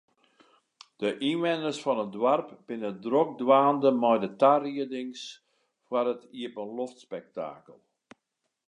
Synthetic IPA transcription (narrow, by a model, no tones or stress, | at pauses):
d̥əʔinʋɛnərsfɔnədwarpb̥ɪnədrok̚dwaːndəmɔjdətariədɪŋs | fwarətʰiəpənloftspɛk̚ta̰ːkəlˠ